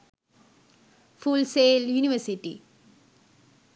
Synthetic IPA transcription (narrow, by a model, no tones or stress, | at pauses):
fulseːljuːniʋɐɾsiʈːḭ